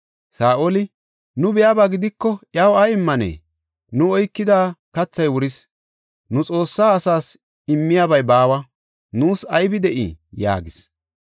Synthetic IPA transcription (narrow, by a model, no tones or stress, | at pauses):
saːʔolɪ | nʊbɪjaːbaɡɪd̪ɪkːɔʔjɐwɐjɪmːɐnḛː | nʊɔjkːɪd̪aːkɐt͡sːɐjwʊɾɪs | nʊt͡sʼo̞ːsːaːsaːs | ɪmːɪjabɐjbaːwɐ | nuːsɐjbɪd̪ɛʔɪ̰ja̰ːɡɪs